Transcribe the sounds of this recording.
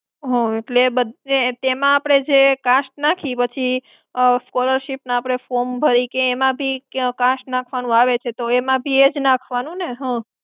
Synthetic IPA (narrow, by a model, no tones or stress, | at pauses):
ɦõeʈlebəd̪net̪emãːpɽ̃ed͡ʒekaʃʈ̚nakʰipət͡ʃʰi | skɔləɾʃipnaapɽ̃efoɾmbʱəɾikeːmãbʱikaʃʈnakʰʋanũaʋet͡ʃʰet̪oemãbʱied͡ʒnakʰʋanũneɦã